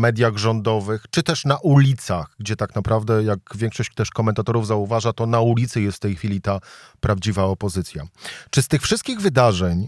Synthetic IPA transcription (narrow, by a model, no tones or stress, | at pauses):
mɛd̪ʲjaɣʐɔnd̪ɔvɘxt͡ʂɘt̪ɛʂnaʔulʲit̪saɣɡd͡ʑɛt̪aknapɾavd̪ɛjaɡvʲjɛŋkʂɔɕt͡ɕt̪ɛʂkɔmɛnt̪at̪ɔɾuvzauvaʐat̪ɔnaulʲit̪sɘjɛst̪ft̪ɛjxfʲilʲit̪apɾavd͡ʑivaɔpɔzɘt̪sʲja̰t͡ʂɘst̪ɘxfʂɘst̪kʲiɣvɘd̪aʐɛɲ